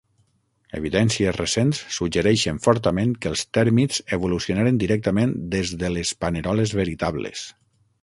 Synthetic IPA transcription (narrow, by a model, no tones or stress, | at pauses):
ḛβ̞iðɛnsiezresensːud͡ʒəɾɛʃənfɔɾt̪əmenkəlˠst̪ɛɾmizeβ̞ulusionaɾend̪iɾɛk̚t̪əmẽnd̪ezðəlespəneɾɔlezβəɾit̪aβlḛs